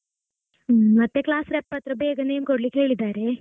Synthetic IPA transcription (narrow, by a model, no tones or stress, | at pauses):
mɐt̪ːeklaːsɾɛpːɐt̪ɾəbeːɡəneːmkoɽliːkeːɭid̪aɾe